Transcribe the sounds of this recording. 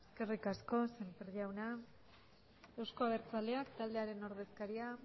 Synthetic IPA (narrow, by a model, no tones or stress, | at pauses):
eske̞rikasko̞sempeɾʎawna | e̞wsko̞aβe̞ɾt͡sale̞akt̪ald̪e̞aɾe̞no̞ɾð̞e̞skaɾia